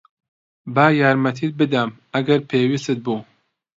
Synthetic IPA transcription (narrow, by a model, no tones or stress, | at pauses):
baːjaːɾmɐt̪ʰiːt̪̚bɨd̪ɐm | ɐɡɐɾpʰeːwiːst̪ɨt̪̚buː